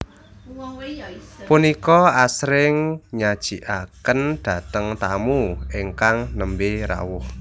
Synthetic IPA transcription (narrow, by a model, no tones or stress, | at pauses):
punikɔasɾɪŋɲad̥ʒ̥i̤ʔakənɖ̪̥ä̤t̪əŋt̪amueŋkaŋnəmbeɾa̰wʊh